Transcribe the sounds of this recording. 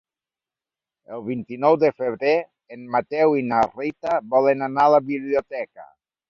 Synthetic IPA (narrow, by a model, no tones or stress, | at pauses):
elˠβint̪inɔwd̪efeβɾe | enmat̪ɛwinarit̪abɔlenanalaβiβliot̪ɛka̰